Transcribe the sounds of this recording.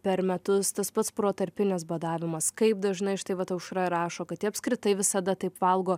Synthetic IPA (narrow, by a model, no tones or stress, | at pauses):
pʲɛɾmʲɛt̪ʊst̪ɐspɐt̪spɾoːt̪ɐɾʲpʲɪnʲɛs̬bɐd̪ɑːʋʲɪmɐskɐɪp̚d̪ɐʒnɐɪʃt̪ɐɪʋɐt̪ɐʊʃɾɐɾɑːʃoːkɐt̪t̪ʲiɐpʲskɾʲɪt̪ɐɪʋʲɪsɐd̪ɐt̪ɐɪpʋɐlˠɡoː